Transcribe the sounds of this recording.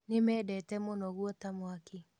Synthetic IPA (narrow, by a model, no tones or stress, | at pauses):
nemɛːdɛtɛmonɔɣwɔtamwake